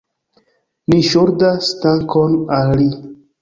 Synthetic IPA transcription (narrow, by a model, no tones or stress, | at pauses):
niʃoɾdastaŋkonali